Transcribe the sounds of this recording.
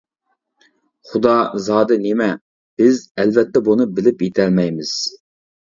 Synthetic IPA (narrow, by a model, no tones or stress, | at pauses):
χud̪ɑzɑːd̪ɨnemɛ | b̥ɪzɛlvɛt̪ːɛbunɨbɪlɪpjet̪ʰɛlmɛjmɪz̥